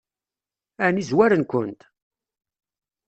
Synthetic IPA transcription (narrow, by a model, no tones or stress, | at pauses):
ænizwæɾənkʷənt̪